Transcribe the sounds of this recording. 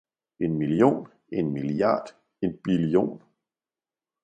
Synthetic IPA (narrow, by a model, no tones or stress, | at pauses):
e̝nmiljo̝̰ːn | e̝nmilɑ̰̈ːd̥ | e̝nb̥ilio̝̰ːn